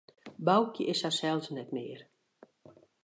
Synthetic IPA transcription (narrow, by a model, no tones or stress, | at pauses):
bawkjəʔɪshasɛlˠsnɛtmɪːər